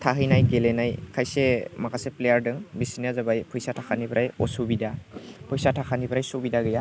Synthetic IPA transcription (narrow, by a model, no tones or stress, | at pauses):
tʰaɦɯjnajɡelenajkʰajsemakʰasɛplejaɹdɯŋbisinazabajpʰujsatʰakʰanibɾʔajɔ̰subidapʰɔjsatʰakʰanibɾajsubidaɡɯja